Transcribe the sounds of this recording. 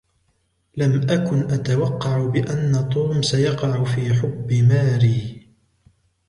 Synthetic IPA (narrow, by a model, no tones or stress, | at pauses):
lamʔakʊnʔat̪awɑqːɑʕʊbɪʔanːat̪ˤuːmsajɑqɑʕʊfiːħʊbːɪmaːɾiː